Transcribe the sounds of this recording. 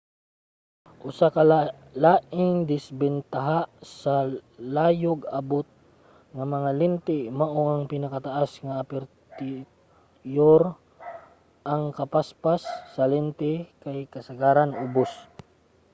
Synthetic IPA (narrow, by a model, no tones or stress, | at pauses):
ʔʊsaka | laːʔɪŋd̪ɪsbɛnt̪aɦasalaːjʊɡɐbot̪̚ | ŋamɐŋalɪnt̪ɪmaʔoaŋpɪnakat̪aʔasŋaːpɛɾt̪ɪ | joɾ | ʔaŋkɐpaspasːɐlɛnt̪ɪkajkɐsɐɡaːɾanʊbos